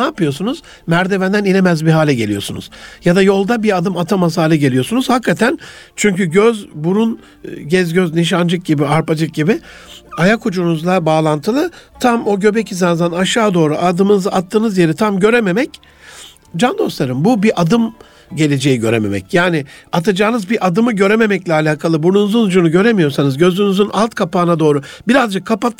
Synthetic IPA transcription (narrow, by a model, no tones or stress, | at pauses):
naːpɯjo̞sunuz | mæɾd̪e̞vænd̪ænilʲe̞mæzbiɦaːlʲɛɟe̞lʲijo̞sunṵz̥jad̪ajo̞lˠd̪abiad̪ɯmat̪ʰamashaːlʲɯɟe̞lʲijo̞sunuz̥hakʰːat̪ʰænt͡ʃʰyɲcyɟøzbuɾun | ɟɛzɟøzniʃand͡ʒɯk̚ɟibiaɾpad͡ʒɯk̚ɟibɪ | ajakʰud͡ʒunuzlˠabaːlˠant̪ʰɯlˠat̪ʰamo̞ɟø̞becizanzanaʃaːd̪o̞ːɾuʔad̪ɯmɯnɯzɯat̪ʰːɯːnɯzje̞ɾit̪ʰamɟø̞ɾe̞me̞mɛc | d͡ʒand̪o̞slˠaɾɯmbubiʔad̪ɯm | ɟe̞lʲe̞d͡ʒe̞jiɟø̞ɾeme̞mɛ̰cjaːnɪat̪ʰad͡ʒaːnɯzbiʔad̪ɯmɯɟø̞ɾeme̞mɛclʲɛaːlʲaːkʰalˠɯbuɾunuzɯnud͡ʒunuɟø̞ɾe̞mijo̞ɾsanɯzɟø̞zynyzynʔalˠt̪kʰapaːnad̪o̞ːɾʊbiɾazd͡ʒɯkʰːapat̪